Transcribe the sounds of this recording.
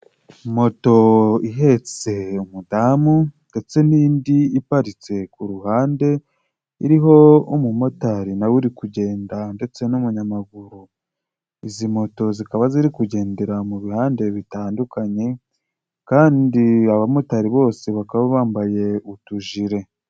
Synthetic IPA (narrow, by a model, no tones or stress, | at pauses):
mo̞to̞iɦe̞t͡se̞umudamunde̞t͡se̞niːndiipaɾit͡se̞kuɾuhaːnde̞ | iɾiɦo̞omumo̞taɾinawuɾikuɟe̞ːndande̞t͡se̞numuɲamaɡuɾu | izimo̞to̞zikaβaziɾikuɟe̞ːnde̞ɾamuβihaːnde̞βitaːndukaɲe̞ | kaːndiaβamo̞taɾiβo̞ːse̞βakaβaβaːmbaje̞utuʒiɾe̞